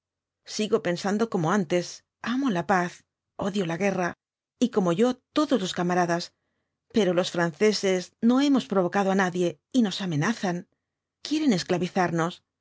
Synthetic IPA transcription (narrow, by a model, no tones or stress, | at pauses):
siɣo̞pe̞nsand̪o̞ko̞mo̞ant̪e̞s | amo̞lapaθ | o̞ðjo̞laɣe̞ra | iko̞mo̞ʝo̞t̪o̞ðo̞zlo̞skamaɾaðas | pe̞ɾo̞lo̞sfɾanθe̞se̞sno̞e̞mo̞spɾo̞βo̞kaðoanaðje̞ | ino̞same̞naθaŋ | kje̞ɾe̞ne̞sklaβiθaɾno̞s